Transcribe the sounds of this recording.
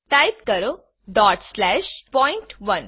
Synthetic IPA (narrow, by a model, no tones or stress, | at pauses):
ʈ̪ajt̪kəɾo | ɖɔʈslɛɕpɔjɳʈʋən